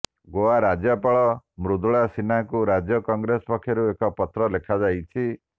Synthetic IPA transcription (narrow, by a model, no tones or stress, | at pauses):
ɡoaɾad͡ʒjɔpaɭɔmɾud̪ɭasinakuɾad͡ʒjɔkɔŋɡɾespɔkʰːjɔɾuekɔpɔt̪ɾɔlekʰad͡ʒajt͡ʃʰi